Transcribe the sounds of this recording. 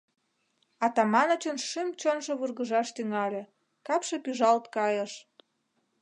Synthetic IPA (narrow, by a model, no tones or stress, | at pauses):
ɑt̪ɑmɑnot͡ɕonʃimt͡ɕonʒŏβurɣəʒɑʃt̪yŋɑlʲĕ | kɑpʃĕpyʒɑlt̪kɑjəʃ